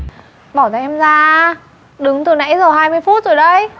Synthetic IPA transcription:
ɓɔː˧˩t̪aː˨˩ʔɛ˧mzaː˧ | ɗɨ˨˦ŋt̪ɨ˨˩na̰˧˥jzəː˨˩ɦaː˧jmɨ˧əjfu˦˥t̚zo˨˩jɗə˧j

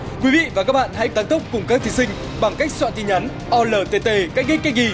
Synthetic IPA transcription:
kwi˨˦vḭ˧˨vaː˨˩kaː˦˥k̚ɓa̰ː˧˨nha̰˧˥jt̪aː˨˦nt̪ə˦˥k͡p̚kʊ˨˩ŋ͡mkaː˦˥k̪̚ʰi˨˦sï˧ŋ̟ | ɓa˨˩ŋka˦˥jk̚swa̰ː˧˨t̪i˧˩ɲa˨˦n | ʔɔ˧ləː˧˩t̪e˧˩t̪e˧˩kaː˦˥jk̚ŋi˦˥j̚kːa˦˥k̚ŋi˧˩

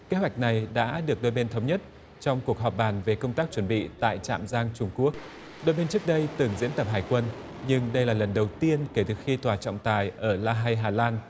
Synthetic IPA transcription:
ke˨˦ɦwa˨˩jk̟̚na˨˩jɗa̰ː˧˥ɗɨ˨˩ək̚ɗo˧jɓe˧nt̪ʰə˨˦wŋ͡mɲə˦˥t̚ | t͡ɕɔ˧wŋ͡mku˨˩ək̚ɦɔ˨˩p̚ɓaː˨˩nve˨˩kə˧wŋ͡mt̪aː˦˥k̚t͡ɕwə˧˩nɓḭ˧˨t̪a̰ː˧˨jt͡ɕa̰ː˧˨mzaː˧ŋt͡ɕʊ˧ŋ͡mku˦˥ək̚ | ɗo˧jɓe˧nt͡ɕɨ˦˥ək̚ɗə˧jt̪ɨ˨˩ŋzḭ˧˥ənt̪ə˨˩p̚ɦaː˨˩jkwə˧n | ɲɨ˧ŋɗə˧jlaː˨˩lə˨˩nɗə˨˩wt̪i˧ənke˨˧˩t̪ɨː˨˩xi˧t̪waː˨˩t͡ɕɔ̰˧˨ŋ͡mt̪aː˨˩jʔəː˧˩laː˧ɦa˧jɦaː˨˩laː˧n

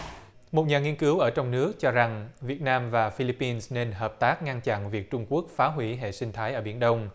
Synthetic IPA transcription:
mo˨˩t̚ɲaː˨˩ŋi˧ənkɨ˨˦wʔəː˧˩t͡ɕɔ˧wŋ͡mnɨ˦˥ək̚t͡ɕɔ˧za˨˩ŋvi˨˩ət̚naː˧mvaː˨˩fi˧li˧˥pːi˧nsne˧nɦəː˨˩p̚t̪aː˦˥k̚ŋa˧nt͡ɕa̰˧˨nvi˨˩ək̚t͡ɕʊ˧ŋ͡mku˦˥ək̚faː˨˦ɦwi˧˩ɦḛ˧˨sï˧ŋ̟t̪ʰaː˨˦jʔəː˧˩ɓi˧˩ənɗə˧wŋ͡m

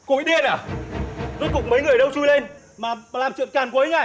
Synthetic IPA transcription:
kṵ˧˥jɗi˧ənaː˨˧˩ | zɨ˦˥kːʊ̰˧˨ŋ͡mmə˨˦jŋɨ˨˩əjɗə˧wt͡ɕu˧jle˧n | maː˨˩laː˨˩mt͡ɕɨ̰˧˨əŋt͡ɕaː˨˩nkwu˨˦jŋa˧˩j

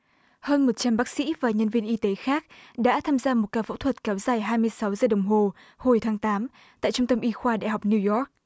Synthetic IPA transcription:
həː˧nmo˨˩t̚t͡ɕa˧mɓaː˦˥k̚sḭ˧˥vaː˨˩ɲə˧nvi˧ənʔi˧t̪e˨˦xaː˦˥k̚ɗa̰ː˧˥t̪ʰaː˧mzaː˧mo˨˩t̚kaː˧fṵ˧˥t̪ʰwə˨˩t̚kɛ˨˦wzaː˨˩jɦaː˧jmɨ˧əjsa˨˦wzəː˨˩ɗə˨˩wŋ͡mɦo˨˩ | ho˨˩jt̪ʰaː˨˦ŋt̪aː˨˦m | t̪a̰ː˧˨jt͡ɕʊ˧ŋ͡mt̪ə˧mʔi˧xwaː˧ɗa̰˧˨jɦa˨˩k͡p̚ni˧jɔ˦˥k̚

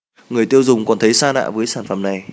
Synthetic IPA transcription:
ŋɨ˨˩əjt̪i˧əwzʊ˨˩ŋ͡mkɔ˨˩nt̪ʰə˨˦jsaː˧na̰ː˧˨vəː˨˦jsaː˧˩nfə˧˩mna˨˩j

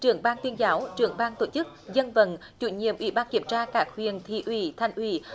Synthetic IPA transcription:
t͡ɕɨ˨˧˩əŋɓaː˧ŋt̪wi˧ənzaː˨˦wt͡ɕɨ˧˩əŋɓaː˧ŋt̪o˧˩t͡ɕɨ˦˥k̚zə˧nvə̰˧˩nt͡ɕṵ˧˩ɲḭ˧˨əmʔwḭ˧˩ɓaː˧nki˧˩əmt͡ɕaː˧kaː˦˥k̚hwḭ˨ənt̪ʰḭ˧˩ʔwi˧˩t̪ʰa˨˩jŋ̟ʔwi˧˩

